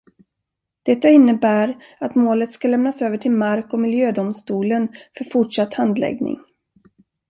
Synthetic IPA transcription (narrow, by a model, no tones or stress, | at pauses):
d̪̥ɛt̪ːaɪnːəbæːɾ | at̪moːlət̪skalɛmnasøːvəʈʰɪlmaɾkɔmɪljøːd̪ʊmst̪uːlənfœɾfʊʈʂat̪ːhand̪lɛ̰ɡnɪ̰ŋ